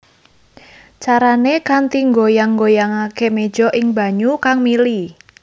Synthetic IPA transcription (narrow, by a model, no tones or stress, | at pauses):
t͡ʃaɾanekant̪iŋɡojaŋɡojaŋakeme̥ʒ̥ɔʔɪŋba̤ɲukaŋmili